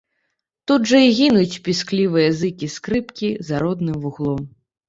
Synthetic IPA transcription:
t̪ud̪ʐɐiɣʲinut͡sʲpʲisklʲivɨjɐzɨkʲiskɾɨpkʲizaɾɔd̪nɨmvuɣlˠɔm

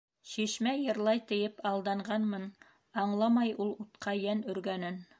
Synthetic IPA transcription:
ʃiʃmæjɤ̆ɾlˠɑjt̪ɘ̆jɘpɑlˠd̪ɑɴɢɑnmɤn | ɑɴlˠɑmɑjulˠut̪qʰɑjænɵ̆ɾɡænɘn

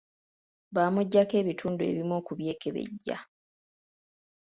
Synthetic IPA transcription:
βaːmuɟːake̞ːβitʰuːndue̞̰βimoːkuβje̞ːkeβe̞̰ɟːa̰

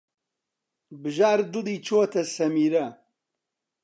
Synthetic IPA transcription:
bɨʒaːɾd̪ulit͡ʃʰot̪ʰɐsɐmiːɾɐ

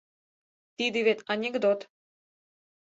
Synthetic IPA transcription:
t̪id̪iβet̪ɑnʲeɡd̪ot̪

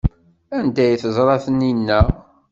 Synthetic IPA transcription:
ænd̪æjθəzˤɾˤɑθəninːæ

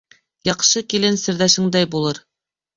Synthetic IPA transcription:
jɑqʃɤkilɘnsɘ̆ɾðæʃɘ̆ŋd̪æjbulˠɤɾ

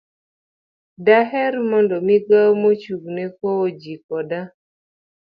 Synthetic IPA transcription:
daɦɛrmɔndɔmiɡawmot͡ʃuɡnekoːd͡ʒikɔda

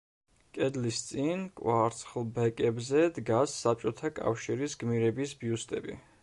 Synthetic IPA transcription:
kʼɛd̪list̪sʼinkʼwaɾt̪sʰχlˠbɛkʼɛbzɛd̪ɡasːap̚ʼt͡ʃʼɔt̪ʰakʼa̰fʃiɾisɡmiɾɛbisbiust̪ʼɛbḭ

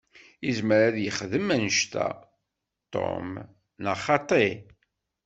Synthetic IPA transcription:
izməɾaðjəχðəmænəʃt̪æ̰ | t̪ˤːo̰m | nɑχɑt̪ˤe

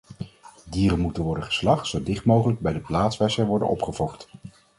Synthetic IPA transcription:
diːrənmutənʋɔɹdəχə̥slɑχtsowdɪχtmowχələɡ̚bɛjdəplaːtsʋɛsəʋɔɹdə̰nɔ̰pχəvɔχt

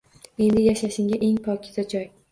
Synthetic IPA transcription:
e̞nd̪ɪjaʃaʃɪŋʲaʔe̞ŋpʰɒkʲɪ̥t̪ʰad͡ʒɒj

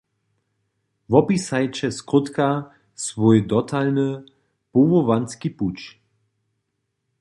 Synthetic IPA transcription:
vɔpisajt͡ʃɛskʊt̪ka | svɔjd̪ɔtʰalnə | povovanskiput͡ʃ

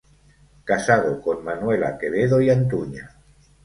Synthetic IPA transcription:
kasaðokonmanwela̰keβeðoiant̪̬uɲa

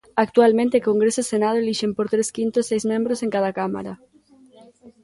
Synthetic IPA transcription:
ak̚t̪ualmẽnt̪ekoŋɡɾesosenað̞oliʃempoɾt̪ɾeskint̪osejzmẽmbɾosẽŋkaðakama̰ɾa

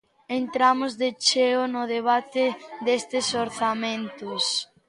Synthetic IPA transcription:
ent̪ɾamʊzðet͡ʃeʊnʊðeβ̞at̪ɪðest̪ɪsoɾθamẽnt̪ʊs

